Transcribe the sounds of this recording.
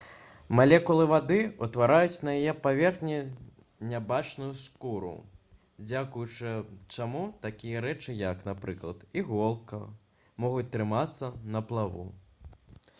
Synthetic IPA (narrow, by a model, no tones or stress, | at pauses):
malʲɛkulˠɨvad̪ɨṵt̪vaɾajut͡sʲnɐjajɛpavʲɛrxnʲi | nʲabat͡ʂnujuskuɾṵ | d͡zʲakujut͡ʂɨt͡ʂamut̪akʲijɐɾɛt͡ʂɨjɐknapɾɨklˠɐt̪iɣɔlˠkɐ | mɔɣut͡sʲt̪ɾɨmat̪sːɐnɐplˠavṵ